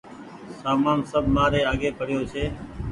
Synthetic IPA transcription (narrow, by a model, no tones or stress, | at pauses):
saːmaːnsəbʱmaːɾeːaːɠeːpəɽɪjoːt͡ʃʰeː